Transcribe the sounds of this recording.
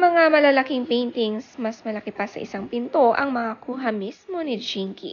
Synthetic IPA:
mɐŋamɐlalɐkiŋpejnt̪ɪŋsmɐsmɐlɐkɪpɐsɐ̰ʔɪ̰saŋpɪnt̪o̞ʔɐŋmɐŋakuɦɐmismo̞nɪd͡ʒiŋkḭ

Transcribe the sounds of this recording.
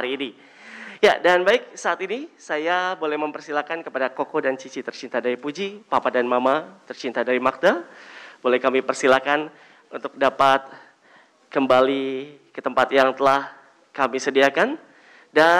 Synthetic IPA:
haɾiːni | ja̰danbaɪk̚saːt̪inisajabolɛhməmpərsilakankəpadakokodant͡ʃit͡ʃit̪ərt͡ʃint̪adaɾipud͡ʒipapadanmamat̪ərt͡ʃint̪adaɾimak̚tabolɛhkamipərsilakan | unt̪ʊk̚dapat̪̚ | kəmbalikət̪əmpat̪jaŋt̪əlah | kamisədiakan | da

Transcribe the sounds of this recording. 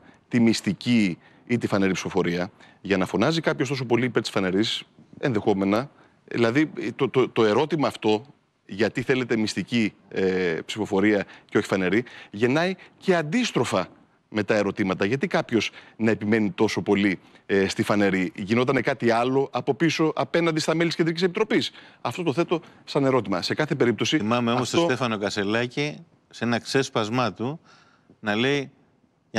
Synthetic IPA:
t̪imist̪ici | it̪ifɐne̞ɾipsi̥fo̞fo̞ɾiɐ | ʝɐnɐfo̞nɐzikɐpçost̪o̞sopo̞liːpeɾt̪i̥sfɐne̞ɾis | e̞nðe̞xo̞me̞nɐ | ðḭlɐðit̪ot̪ot̪o̞e̞ɾo̞t̪imɐːft̪o̞ | ʝɐt̪iθe̞le̞t̪e̞mist̪ici | psifo̞fo̞ɾiɐceo̞çi̥fɐne̞ɾiʝe̞nɐice̞ɐnd̪ist̪ɾo̞fɐ | me̞t̪ɐe̞ɾo̞t̪imɐt̪ɐʝɐt̪ikɐpço̞z̥nɐe̞pime̞nit̪o̞so̞po̞li | st̪ifɐne̞ɾiʝino̞t̪ɐnekɐt̪iɐlo̞ʔɐpo̞piso̞ʔɐpe̞nɐnd̪ist̪ɐme̞lit̪sced̪ɾicisepit̪ɾo̞pisɐft̪ot̪o̞θe̞t̪o̞ | sɐne̞ɾo̞t̪imɐ̰se̞kɐθe̞p̬e̞ɾip̚t̪o̞siimɐmeomofst̪osot̪efɐno̞kɐse̞lɐci | senɐkse̞spɐzmɐt̪u | nɐle̞i

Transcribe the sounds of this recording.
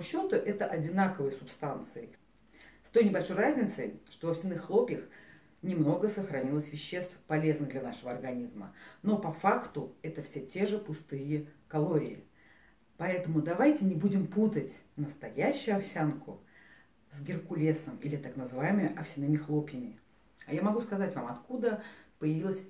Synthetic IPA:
ɕːo̞t̪ʊʔɛt̪əʔɐdʲɪnakəvɨjəsʊpst̪ant̪sɨɪ | st̪o̞jnʲɪbɐlʲʂo̞jrazʲnʲɪt̪səjʂt̪o̞vɐfsʲɪnɨxːlˠo̞pʲjəx | nʲɪmno̞ɡəsəxɾɐnʲilˠəsʲvʲɪɕːest̪fpɐlʲe̞znɨɣd̪lʲɐnaʂəvəɐrɡɐnʲizmə̰no̞pɐfakt̪ʊɛt̪əfsʲetʲe̞ʐɨpʊst̪ɨjəkɐlˠo̞ɾʲɪ̰ɪ | pɐɛt̪əmʊd̪ɐvajtʲɪnʲɪbudʲɪmput̪ətʲnəst̪ɐjæɕːʊjʊɐfsʲankʊ | zɡʲɪrkʊlʲesəmḭlʲɪt̪aknəzɨvajɪmɨjəʔɐfsʲɪnɨmʲɪxlˠo̞pʲjəmʲɪ | ajamɐɡuskɐzatʲvamɐt̪kud̪əpəjɪvʲilˠəsʲ

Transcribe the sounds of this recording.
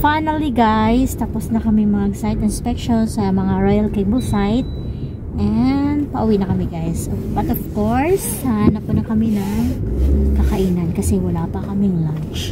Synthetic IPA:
fajnɐliɡajst̪ɐposnɐkɐmɛmɐɡsajt̪ɪnspɛkʃonsɐmɐŋaɹojɐlkembɐlsajt̪̚ | ʔɛnd̪̚pɐʔʊwinɐkɐmɪɡajsbɐt̪ɔfkoɹssɐhaːnɐp̚kʊnɐkɐmɛnɐŋ | kɐkɐʔiːnɐnkɐsɛwɐlapɐkɐmɪŋlant͡ʃ

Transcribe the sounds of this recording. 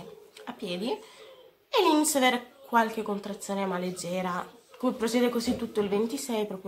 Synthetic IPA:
apːjɛːd̪i | elinit̪sːaveːɾekwalk̟ekːont̪ɾat̪sːjoːnemaled͡ʒːɛːɾakupːɾosjɛːd̪ekozit̪ːut̪ːoilvent̪isɛjpɾɔːpɾjo

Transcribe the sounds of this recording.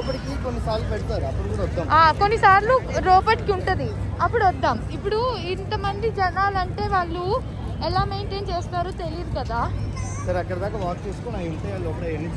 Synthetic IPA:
oːpɐʈikikonːisaːɾlupeɽut̪aːɾuɐpːuɽuɽɐɔd̪ːaːmaːkonːisaːɾluɾoːpɐʈikiuɳʈud̪i | ɐpːuɽuɐd̪ːaːmipːuɽuint̪ɐmɐnd̪id͡ʒɛnaːlɐɳʈe̞ːʋaːɭːu | ɛlaːmejɳʈeːnt͡ʃeːst̪aːɾut̪e̞lijiɾukɐd̪aːsɐɾɐkːɐɽɐd̪aːkaːʋaːk̚t͡ʃeːsu̥konajuɳʈeaːlɔːpɐʈeenːi

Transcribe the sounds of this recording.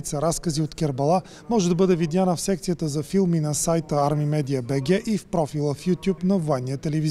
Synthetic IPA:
it̪səɾaskəziot̪kʲɛɾbɐlˠa | mɔʒɛd̪ɐbɤd̪ɛvid̪janəfsɛkt̪sijət̪əzɐfilˠminɐsajt̪əaɾmimɛd̪iəbɛɡʲɛʔifpɾɔfilˠəfjut̪ʲjupnɐvoɛnːijət̪ɛlɛviz

